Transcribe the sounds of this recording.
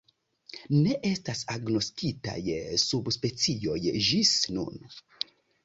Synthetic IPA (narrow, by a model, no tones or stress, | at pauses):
ne̞ʔe̞stasaɡno̞stita̰jsubspe̞t͡sio̞jd͡ʒisnṵn